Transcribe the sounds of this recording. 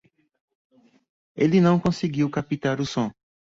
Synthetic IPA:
elɪnɐ̃w̃kõseɡiwkapit̪aɾʊsõ

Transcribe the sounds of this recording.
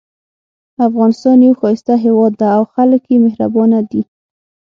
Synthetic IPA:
afɣɑnɪst̪ɑnjawxɑjɪst̪aɦewɑd̪ːaːwxaləkjemɪhɾa̰bɑnad̪i

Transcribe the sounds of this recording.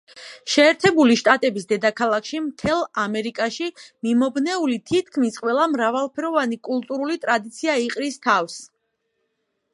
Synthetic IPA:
ʃɛːɾt̪ʰɛbuliʃt̪ʼat̪ʼɛbisd̪ɛd̪akʰalˠakʰʃimt̪ʰɛlˠamɛɾikʼaʃimimɔbnɛulit̪ʰit̪̚ʰkʰmisqʼwɛlˠamɾavalˠpʰɛɾɔvanikʼulˠt̪ʼuɾulit̪ʼɾad̪it̪sʰiaiqʼɾist̪ʰafs

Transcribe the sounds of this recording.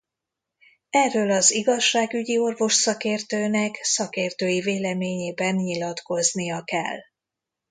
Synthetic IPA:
ɛrːøːlɒziɡɒʃːaːɡyɟio̞rvo̞ʃsɒkeːrt̪øːnɛksɒkeːrt̪øːjiveːlɛmeːɲeːbɛnɲilɒt̪ko̞znijɒkɛ̰lː

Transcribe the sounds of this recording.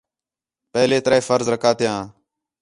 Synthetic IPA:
pəɦleːt̪əɾeːfəɾzɾəkʰaːt̪ɪjãː

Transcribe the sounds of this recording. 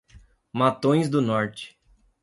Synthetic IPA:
mat̪õj̃zd̪ʊnɔɾt͡ʃɪ̥

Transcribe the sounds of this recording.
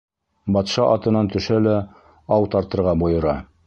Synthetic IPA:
bɑt̪ʃɑʔɑt̪ɤ̆nɑnt̪ɵ̆ʃælæ | ɑwt̪ɑɾt̪ɤ̆ɾʁɑbŏjɤ̆ɾɑ

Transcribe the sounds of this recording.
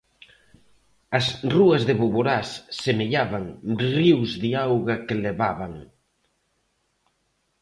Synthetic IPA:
ɐsruɐzðeβuβoɾassemeʎaβaŋriwzðiawɣɐkeleβaβaŋ

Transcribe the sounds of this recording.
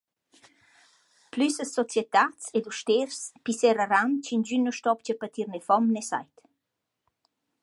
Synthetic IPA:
plysəsɔt͡sjɛt̪at͡sɛd̪uʃt̪ɛɾspisɛɾərant͡ɕind͡ʑynːəʃt̪ɔpt͡ɕəpət̪iɾnɛfɔmnɛsa̰jt̪

